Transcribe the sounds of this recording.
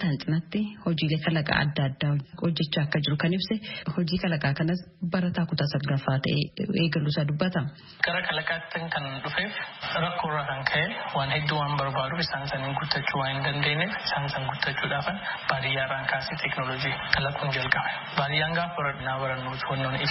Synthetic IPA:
t̪ɐnt͡ʃʼɪnɐt̪ːɪhɔd͡ʒiːle̞ːkɐlɐkʼa̰ːɐ̰d̪ːɐd̪ːaːhɔd͡ʒːɛt͡ʃːaːɐkːɐd͡ʒɪɾʊkɐnɪbsɛhɔd͡ʒiːkɐlɐkʼaːkɐnɐsbɐɾɐt̪aːkʊt̪aːsɐɡɡɐfːaːt̪ɐ̰ʔḛːeːɡɐluːsaːd̪ʊbːɐt̪ɐ | kʼɐɾɐkʰɐlɐkʼaːt̪ːɐŋkɐnᶑʊfeːfɾɐkːoːrːaːkɐŋkʰɐʔɛwaːnhɛd̪ːuːwaːnbɐɾbaːᶑʊɪsaːnsɐniːŋɡʊt̪ːɐt͡ʃːuːwaːnhɪnd̪ɐnd̪e̞ːnːefɪsaːŋsɐŋɡʊt̪ːɐt͡ʃːuːᶑaːfɐnb̥aːɾɪjaːrːaːŋkaːsit̪ʰɛknolɔd͡ʒiːkɐlɐkʼːuːnd͡ʒɐlkʼɐb | baːɾɪjaːŋɡaːfbɐɾɐᶑɪnaːbɐɾɐnːoːt̪ʊwɐnːoːnɪ

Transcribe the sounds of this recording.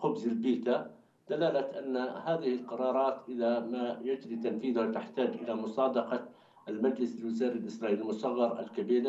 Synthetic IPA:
xʊbzɪlbiːt̪a | d̪̥alaːlat̪ʔanːahaːðɪhɪlqɑɾˤɑːɾˤɑːt̪ʔɪðamajad͡ʒɾit̪anfiːðʊhat̪aħt̪aːd͡ʒʔɪ̰lamʊsˤɑːd̪ɑqɑ | lmad͡ʒlɪsɪlwɪzaːɾalʔɪsɾˤɑːʔiːlɪlmʊsˤɑɣːɑɾˤa̰lkabiːɾ

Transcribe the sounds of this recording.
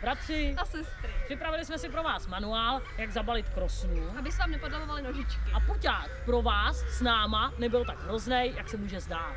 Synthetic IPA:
bɾat̪r̝̥ɪasɛst̪ɾɪpr̥ɪpɾavɪlɪsmɛsɪpɾo̞vaːsmanuaːl | jaɡzabalɪt̪kɾo̞snuabɪsɛvaːmnɛpodavovalɪnoʒɪt͡ʃkɪapucaːk̪pɾo̞vaːsːnaːmanɛbɪlt̪aɡɦɾo̞znɛjjaksɛmuːʒɛzdaːt̪

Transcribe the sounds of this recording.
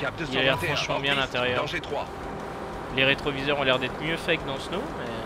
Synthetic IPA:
kap̚d̪əilavɛãfχɑ̃ʃmɑ̃bjɛ̃alɛ̃t̪eʁjœɑ̃ʒet̪χwa̰ | leʁet̪χɔvizœʁɔ̃lɛʁd̪ɛt̪χmjøfɛkəd̪ɑ̃snomɛ

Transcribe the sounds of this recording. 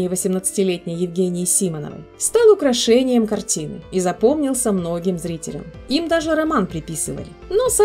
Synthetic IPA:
ɪjəvəsʲɪmnət̪sɨ̥tʲɪlʲetʲnʲɪjjɪvɡʲenʲɪjɪsʲimənə̰və̰jst̪alˠʊkɾɐʂɛnʲɪjəmkɐrtʲinɨizɐpo̞mnʲɪlˠsʲəmno̞ɡʲɪmzɾʲitʲɪ̰lʲə̰mimd̪aʐɨɾɐmanpɾʲɪpʲisɨvə̰lʲɪnosa

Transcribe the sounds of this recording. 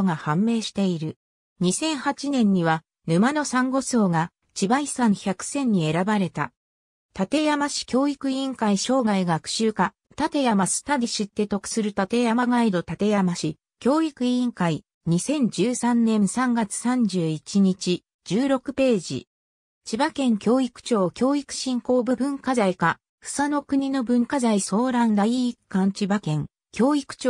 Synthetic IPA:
ŋahãmːe̞ːɕi̥t̪e̞iɾɯ̟ | ɲ̟isẽ̞ɰ̃hat͡ɕinẽ̞ɲ̟ːiβa | nɯ̟mano̞sãŋɡo̞so̞ːɡa | t͡ɕibaisãɰ̃çʲakɯ̟̥sẽ̞ɲ̟ːie̞ɾabaɾe̞t̪a̰ | t̪at̪e̞jamaɕi̥kʲo̞ːikɯ̟ĩŋkaiɕo̞ːɡaiɡakɯ̟̥ɕɨːka | t̪at̪e̞jamasɨ̥t̪ad̪ʲiɕɨt̪ːe̞t̪o̞kɯ̥sɨɾɯ̟t̪at̪e̞jamaɡaid̪o̞t̪at̪e̞jamaɕi | kʲo̞ːikɯ̟ĩŋkai | ɲ̟isẽ̞ɲ̟d͡ʑɨːsãnnːẽ̞ɰ̃sãŋɡat͡sɨ̥sãɲ̟d͡ʑɨːit͡ɕiɲ̟it͡ɕi | d͡ʑɨːɾo̞kɯ̟pe̞ːd͡ʑḭ | t͡ɕibakẽ̞ŋkʲo̞ːikɯ̥t͡ɕo̞ːkʲo̞ːikɯ̟̥ɕĩŋko̞ːbɯ̟bɯ̟̃ŋkazaika | ɸɯ̟̥sano̞kɯ̟ɲ̟ino̞bɯ̟̃ŋkazaiso̞ːɾãnd̪aiːkːãɲ̟t͡ɕibakẽ̞ŋ | kʲo̞ːikɯ̥t͡ɕo

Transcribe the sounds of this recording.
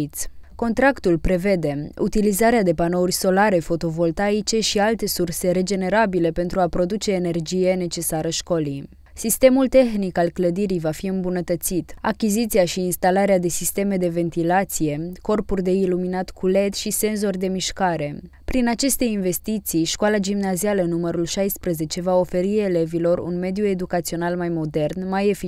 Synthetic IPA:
t̪sʲko̞nt̪ɾakt̪ulpɾe̞ve̞d̪e̞ṵt̪ilizaɾead̪e̞pano̞urʲso̞laɾe̞fo̞t̪o̞vo̞lt̪ait͡ʃe̞ʃialt̪e̞surse̞ɾe̞d͡ʒe̞neɾabile̞pe̞nt̪ɾuapɾo̞d̪ut͡ʃe̞ːne̞rd͡ʒije̞ne̞t͡ʃe̞saɾəʃko̞li | sist̪e̞mult̪e̞xnikalkləd̪iɾijvafiɨmbunət̪ət̪sit̪a̰kʲizit̪siaʃiːnst̪alaɾead̪e̞sist̪e̞me̞d̪e̞ve̞nt̪ilat̪sije̞ko̞rpurd̪e̞iluminat̪kʰule̞t̪ʃise̞nzo̞rd̪e̞miʃkaɾe̞ | pɾinat͡ʃe̞st̪e̞inve̞st̪it̪sijʃkoalad͡ʒimnazialənuməɾulʃajspɾəze̞t͡ʃe̞vao̞fe̞ɾie̞le̞vilo̞rṵnme̞d̪jue̞d̪ukat̪sio̞nalmajmo̞d̪e̞rnmaje̞fi

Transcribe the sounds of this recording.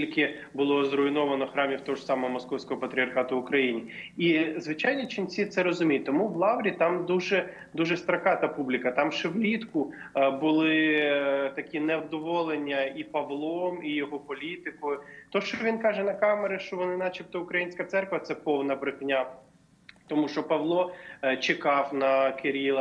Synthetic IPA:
ilʲkɪ | bʊlˠɔzrʊinɔʋɐnɔxɾɑmʲiwt̪ɔʒsɑmɔɦɔmɔskɔwsʲkɔɦɔpɐt̪ɾʲɪɐrxɑt̪ʊʊkɾɐjinʲiizʋɪt͡ʃɑjnʲit͡ʃinʲsʲit̪sɛɾɔzʊmʲijt̚ʲt̪ɔmuʋlˠɑwɾʲit̪ɑmd̪uʒɛ | d̪uʒɛst̪ɾɐkɑt̪ɐpublʲikɐt̪ɑmʃeʋlʲit̪kʊbʊlˠɪ | t̪ɐkʲinɛwd̪ɔʋɔlˠenʲːɐipɐʋlˠɔmijɔɦɔpɔlʲit̪ɪkɔjʊt̪ɔʃt͡ʃɔʋʲinkɑʒɛnɐkɑmeɾɪʃt͡ʃɔʋɔnɪnɑt͡ʃip̚t̪ɔʊkɾɐjinʲsʲkɐt̪sɛrkʋɐt̪sɛpɔwnɐbɾɪxnʲa | t̪ɔmuʃt͡ʃɔpɐʋlˠɔt͡ʃekɑwnɐkeɾʲilˠɐ

